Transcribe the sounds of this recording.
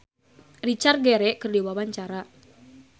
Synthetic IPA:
rit͡ʃarɡɛɾɛʔkɨrdiwawaɲt͡ʃaɾa

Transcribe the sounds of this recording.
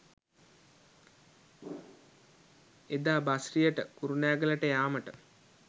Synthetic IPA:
ed̪aːbasrijəʈəkuɾunæːɡələʈəjaːməʈə

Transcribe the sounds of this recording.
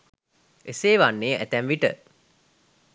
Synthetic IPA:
ʔeseːʋanːeːʔæ̰t̪ænʋiʈə

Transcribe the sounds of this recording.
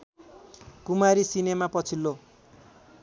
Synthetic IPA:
kumaɾisinemapʌt͡sʰilːo

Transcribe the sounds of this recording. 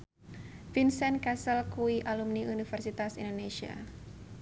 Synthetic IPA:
finsɛnkasəlkuiʔalumniunifɛrsit̪asindoneʃia̰

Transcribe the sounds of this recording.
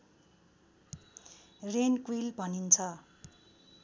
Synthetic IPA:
renkwilbʱʌnint͡sʰʌ

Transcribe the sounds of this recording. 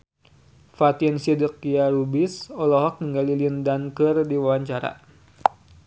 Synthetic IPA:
fat̪insidəkiaɾubisɔlɔɦɔk̚niŋɡalilindankɨrdiwawaɲt͡ʃaɾa̰

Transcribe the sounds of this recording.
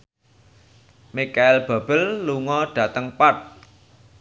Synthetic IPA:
mikaɪlb̥a̤b̥əlːuŋɔɖ̥ä̤t̪əŋpat̪̚

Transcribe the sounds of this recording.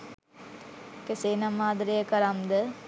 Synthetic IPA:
keseːnamaːd̪ɾejəkəɾamd̪ə

